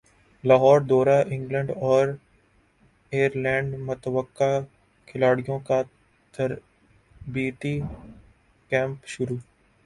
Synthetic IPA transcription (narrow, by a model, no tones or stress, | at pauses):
laːɦɔːɾd̪ɔːɾaʔɪ̃ŋɡlɛ̃ɳɖɔːɾ | eːɾlɛ̃ːɳɖmʊt̪əʋəkːa | kʰɪlaːɽɪjõka | t̪ɐɾ | biːt̪i | kɛ̃ːmpʃʊɾuː